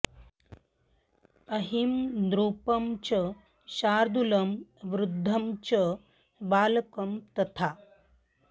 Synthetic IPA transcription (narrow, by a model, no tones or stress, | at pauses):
ɐɦimd̪ɾuːpɐmt͡ɕə | ʃaːɾd̪ulɐmʋɾud̪ʱːɐmt͡ɕə | baːlɐkɐmt̪ɐt̪ʰa